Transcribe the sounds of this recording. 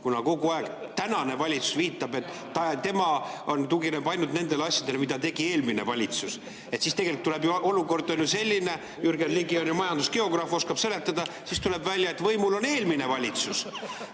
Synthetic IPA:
kunɑko̞ɡuɑeɡ̥ | t̪ænɑne̞vɑlʲit̪su̥sviːt̪ːˑɑbe̞t̪ˑː | ɑt̪e̞mɑo̞nt̪uɡinebɑjnud̪ne̞nd̪e̞lɑsʲjɑd̪elmid̪ɑt̪e̞ɡ̥ie̞ːlmine̞vɑlʲit̪sus | e̞t̪siːst̪eɡelikt̪ule̞bjuo̞luko̞rd̪̥onjuse̞lʲːine̞ | yrɡenliɡio̞njumɑjɑnd̪uske̞o̞ɡ̥rɑfo̞skɑb̥se̞le̞t̪ːˑɑd̪̥ɑ | sist̪ule̞bvælʲjɑet̪vɤjmulo̞ne̞ːlmine̞vɑlʲit̪sus

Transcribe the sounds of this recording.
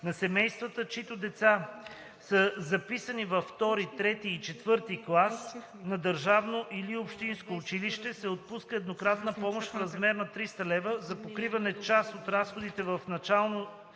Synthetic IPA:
nɐsɛmɛjst̪vət̪ət͡ʃit̪od̪ɛt̪sa | səzɐpisənivɐfːt̪ɔɾit̪ɾɛt̪iːt͡ʃɛt̪vɤɾt̪iklˠas | nɐd̪əɾʒavnoʔiliopʃt̪inskoːt͡ʃiliʃt̪ɛsɛot̪̚puskəɛd̪nokɾat̪nəpɔmoʃt̪fɾɐzmɛɾnɐt̪ɾist̪əlɛvəzɐpokɾivɐnɛt͡ʃasot̪ɾasxod̪it̪ɛvəfnɐt͡ʃalˠno

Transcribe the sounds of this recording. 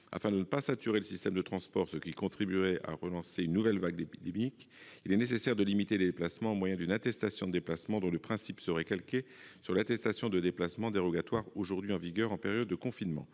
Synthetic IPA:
a̰fɛ̃d̪ənəpasat̪yʁeləsist̪ɛmd̪ət̪χɑ̃spɔʁsəkʲikɔ̃t̪χibyʁɛʔa̰ʁəlɑ̃seynːuvɛlvaɡ̚d̪epid̪emik | ilɛnesesɛʁd̪əlimit̪eled̪eplasmɑ̃ːmwajɛ̃d̪ynat̪ɛst̪asjɔ̃d̪əd̪eplasmɑ̃d̪ɔ̃ləpχɛ̃sipsəʁɛkalkʲesyʁlat̪ɛst̪asjɔ̃d̪əd̪eplasmɑ̃d̪eʁɔɡat̪waʁoʒuʁd̪ɥiɑ̃viɡœʁɑ̃peʁjɔd̪ːəkɔ̃finmɑ̰̃

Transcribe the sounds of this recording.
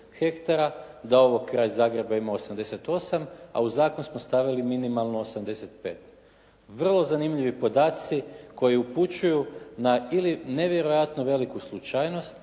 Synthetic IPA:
xe̞kt̪aɾa | d̪ao̞ʋoɡkːɾaːʎzaːɡɾe̞baimaosamd̪e̞set̪o̞sama̰uzaːkonusmost̪aʋiliminimalˠnoosamd̪e̞set̪pe̞̰ːt̪ | ʋr̩lˠo̞zanimʎiʋipo̞d̪aːt̪siko̞jiuput͡ʃujunailine̞ʋje̞ɾo̞jat̪nuʋe̞likuslˠut͡ʃajno̞st̪

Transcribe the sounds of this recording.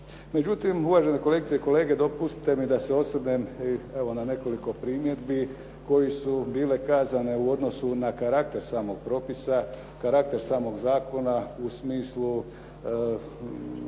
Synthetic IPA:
me̞d͡ʑut̪imuʋaʒe̞nekole̞ɡit̪seiko̞le̞ːɡe̞d̪opust̪i̥t̪e̞mid̪aseo̞sɾneme̞ʋo̞nane̞ko̞liko̞pɾiːmje̞d̪bi | ko̞jesubiːle̞kaːzane̞uo̞d̪no̞sunakaɾak̚t̪e̞ɾsaːmo̞ɡ̥̚pɾo̞ːpisa | kaɾakt̪e̞ɾsaːmo̞ɡzaːko̞nausmiːslu

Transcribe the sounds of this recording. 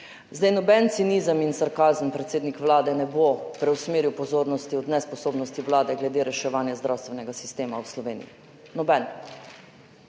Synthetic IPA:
zd̪ajnɔbɛnt̪sinizəminsaɾkaːzənpɾɛt̪seːd̪nikʋlaːd̪ɛnɛbopɾɛwsmeːɾiwpɔzoːɾnɔst̪iɔd̪nɛspɔsoːbnɔst̪iʋlaːd̪ɛɡlɛd̪eːɾɛʃɛʋaːnjazd̪ɾaːwst̪ʋɛnɛɡasi̥st̪eːmawslɔʋeːnḭḭ | nɔbɛn

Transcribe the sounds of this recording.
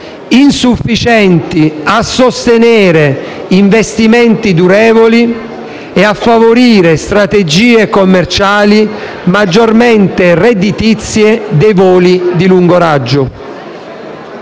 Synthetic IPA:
insufːit͡ʃɛnt̪iasːost̪enɛːɾe | iɱvest̪imɛnt̪id̪uɾɛːvoli | eafːavoɾiːɾest̪ɾat̪ed͡ʒiːekomːert͡ʃaːli | mad͡ʒːormɛnt̪ered̪it̪it̪sːjed̪ejvoːlid̪iluŋɡoɾad͡ʒːʊ

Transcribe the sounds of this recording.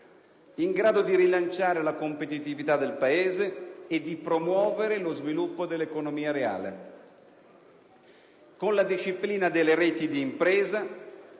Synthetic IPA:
iŋɡɾaːd̪od̪iɾilant͡ʃaːɾelakompet̪it̪ivit̪ad̪ːelpaeːzeːd̪ːipɾomwɔːveɾelozvilupːod̪elːekonomiːaɾea̰ːlḛ | konlad̪iʃːipliːnad̪elːeɾeːt̪id̪iːmpɾeːza

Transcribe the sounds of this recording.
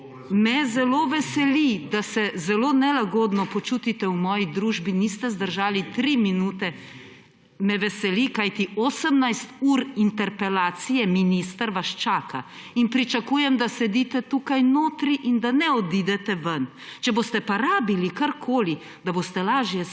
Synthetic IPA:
mɛzɛloːʋɛsɛlid̪asɛzɛloːnɛlaɡoːd̪nɔpɔt͡ʃuːt̪it̪ɛwmɔːjid̪ɾuːʒbinist̪ɛzd̪əɾʒaːlit̪ɾiminuːt̪ɛ | mɛʋɛsɛlikajt̪ioːsəmnajst̪uːɾint̪ɛɾpɛlaːt̪sijɛminist̪əɾʋaʃt͡ʃaːka | inpɾit͡ʃakuːjɛmd̪asɛd̪it̪ɛt̪uːkajnoːt̪ɾiʔind̪anɛɔd̪iːd̪ɛt̪ɛʋɐn | t͡ʃɛboːst̪ɛpaɾaːbilikaɾkʰoːli | d̪abost̪ɛlaːʒjɛ

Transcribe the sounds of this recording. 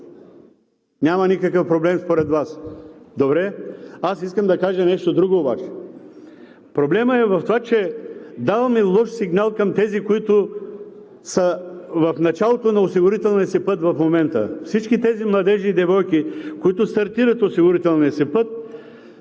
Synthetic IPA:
nʲamɐnikəkəfpɾoblɛmspoɾɛt̪vasd̪obɾɛasiskəmd̪ɐkaʒənɛʃt̪od̪ɾuɡoːba̰t͡ʃɛ̥ | pɾoblɛməɛvɐft̪ovat͡ʃɛd̪avɐmilˠɔʃsiɡnalˠkɐmt̪ɛzikoit̪ʊ | səvɐfnɐt͡ʃalˠot̪onɐosiɡʊɾit̪ɛlˠniəsipɤt̪vɐfmomɛnt̪ə̰fsit͡ʃkit̪ɛzimlˠɐd̪ɛʒiːd̪ɛvɔjkikoit̪ʊst̪ɐɾt̪iɾət̪osiɡʊɾit̪ɛlˠniəsipɤt̪̚

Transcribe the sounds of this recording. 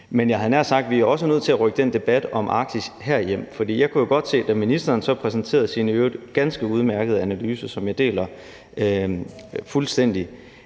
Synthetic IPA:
menjɑ̈ɪɦænæɐsɑ̈ɡ̥̚d̥ʋiæɐɒ̽s̬ənøð̞̰ˠt͡sʰe̝læʁœɡ̥əd̥en̰d̥e̝b̥æd̥ɒ̽mʔɑ̈ɡ̥̚d̥ishæɐ̰ijem̰fɒ̽d̥ḭːjɑ̈ɪkʰujo̝ɡ̥ɒ̽d̥se̝̰ːd̥æminisd̥ɐːnsɒ̽pʰʁɛsn̩t͡sʰe̝̰ːɐð̩ˠsiːnəød̥ɡ̥ænsɡ̥əuð̞ˠmæɐɡ̥ð̩ˠænælyːsəsɒ̽mjɑ̈ɪd̥e̝̰ːlɐ | fulsd̥en̰d̥i

